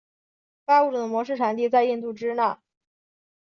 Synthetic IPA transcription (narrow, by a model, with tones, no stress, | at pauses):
fa˥u˥˩ʈ͡ʂɤ˨˩d̪ə˩mwɔ˧˥ʂ̬ɻ̩˥˩ʈ͡ʂʰa˨˩˦nt̪̬i˥˧t͡sa˥˧ɪi˥˧nt̪u˥˩ʈ͡ʂɻ̩˥na˥˩